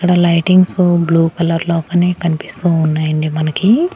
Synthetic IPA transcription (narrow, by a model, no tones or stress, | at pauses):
ikɐɽɐlɐjʈiŋɡsubluːkɐlɐɾlɔːkɐneːkɐnipist̪uːnːaːjɐɳɖimɐnɐki